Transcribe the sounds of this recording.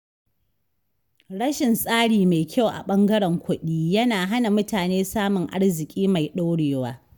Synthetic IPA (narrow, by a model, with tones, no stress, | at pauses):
ɽɐ˦ʃɪ˨nsʼaː˦ɽiː˨ma˨jkʲa˦˨wʔa̰˨ɓɐ˦ŋɡɐ˦ɽɛ˨ŋkʷʊ˦ɗiː˦jɐ˦naː˨ɦa˦na˨mʊ˦taː˨neː˦saː˦mʊ˨ŋʔa̰˦ɽzɪ˨kʲʼiː˦ma˨jɗa˦wɽeː˨waː˦